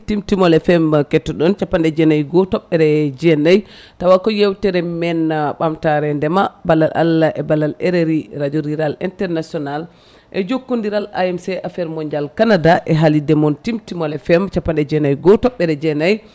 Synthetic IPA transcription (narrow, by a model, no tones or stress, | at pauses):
timtimɔlɛfɛmkɛtːɔɗɔnt͡ʃapːandɛd͡ʒɛnajɡɔtɔɓːɛɾɛd͡ʒɛnaj | tawakɔjewtɛɾɛmɛnɓamtaɾɛndɛmabalːalʔa̰laʔɛbalːalɛɾeɾiɾad͡ʒoɾiɾalḭntɛɾnasiɔnal | ʔɛd͡ʒokːundiɾala̰jɛmsɛʔafɛɾmɔɲd͡ʒalkanadaʔɛɦalidɛmɔntimtimɔlɛfɛmt͡ʃapːandɛd͡ʒɛnajɡɔtɔɓːɛɾɛd͡ʒɛnaj